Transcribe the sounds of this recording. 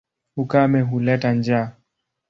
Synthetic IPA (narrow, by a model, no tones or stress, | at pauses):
hukamɛɦulɛtand͡ʒaː